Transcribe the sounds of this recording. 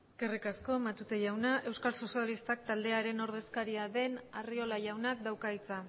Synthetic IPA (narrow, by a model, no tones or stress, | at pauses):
eske̞rikasko̞mat̪ut̪e̞ʝawnaʔe̞wskalso̞sialist̪ak̚t̪ald̪e̞aɾe̞no̞ɾðe̞skaɾiaðe̞nario̞laʝawnak̚d̪awkait͡sa